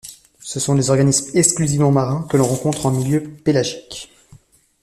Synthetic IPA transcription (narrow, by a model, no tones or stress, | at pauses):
səsɔ̃lezɔʁɡanismɛksklyzivmɑ̃maʁɛ̃kəlɔ̃ʁɑ̃kɔ̃t̪χɑ̃miljøpelaʒik